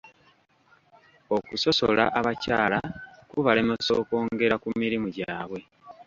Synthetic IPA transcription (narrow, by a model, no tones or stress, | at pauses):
o̞kuso̞so̞̰la̰ʔaβacaːlakuβale̞moso̰ːko̞ːŋɡe̞ɾakumiɾimuɟaːβwe̞